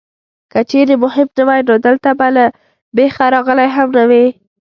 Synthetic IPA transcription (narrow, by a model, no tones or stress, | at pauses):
kət͡ʃeɾemʊhɪmnawajnod̪əlt̪abala | bexaɾɑɣəlajɦamnawe